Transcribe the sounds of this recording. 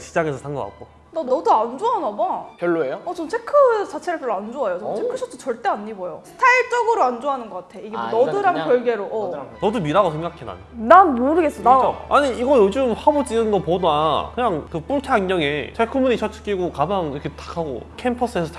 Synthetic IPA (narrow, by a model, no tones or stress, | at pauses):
t͡ɕi̥d͡ʑaŋe̞sʰʌsʰaŋɡʌɡa̰k̚k͈o | nʌʌduand͡ʑoɦanamakjʌɭːoejoʌt͡ɕomt͡ɕʰekʰɯt͡ɕat͡ɕʰeɾɯɭk͈ʰeɾand͡ʑoajot͡ɕʌmt͡ɕʰekʰɯɕʰʌtʰot͡ɕʌɭt͈e̞aɲːibojosʰɯ̥tʰaiɭt͡ɕ͈ʌɡɯɾoand͡ʑoɦanɯnɡʌk͈atʰe̞iɡemonʌdɯɾaŋkjʌɭɡe̞ɾoʔʌnʌdumiɾaɡosʰeŋɡakʰena̰nonanmoɾɯɡes͈ʌnaoaɲiiɡʌjod͡ʑɯmhabod͡ʑiɯnɡʌpodakɯɲaŋkɯp͈uɭtʰeaŋɡʌŋe̞t͡ɕʰekʰɯmuɲit͡ɕʰʌt͡ɕʰɯ̥k͈iɡokamaŋiɾʌkʰetḁkʰaɡo̰kʰempʰʌs͈ɯesʰʌt͡ɕ